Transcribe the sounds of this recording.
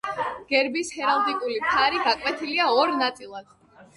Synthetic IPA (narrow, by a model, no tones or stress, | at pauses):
ɡ̥ɛɾbishɛɾalˠd̪ikʼulimt̪ʰaɾiɡakʼwɛt̪ʰiliaɔɾnat̪sʼilˠad̪̥